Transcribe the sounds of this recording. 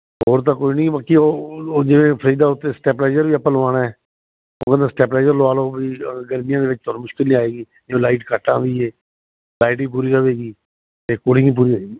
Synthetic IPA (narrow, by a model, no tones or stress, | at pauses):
ɦoːɾt̪̬ãːkoːinĩːbaːkioːd͡ʒɪʋẽːpʰəɾiːd̪aːʊt̪ːeːsʈɛːplaːd͡ʒəɾʋiːəpəlːãːnaːɛː | õ̰ːkə̃nd̪ãsʈɛːplaːd͡ʒəɾloaːloːʋiːɡəɾmɪjãːd̪eːʋɪt͡ʃt̪ʰoːɾmʊʃkɪlnĩːaːeːɡiː | d͡ʒõːlaːɪʈkəʈːãːʋiːeː | laːiʈʋiːp̬uːɾiːɾəʋeːɡiː | t̪eːkoːɽɪ̃ŋiːp̬uːɾiːəeːɡiː